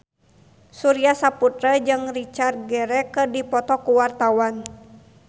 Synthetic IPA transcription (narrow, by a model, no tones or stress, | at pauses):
suɾiasaput̪ɾəd͡ʒɨŋrit͡ʃar̚ɡɛɾɛkərdipɔt̪ɔkuwart̪awan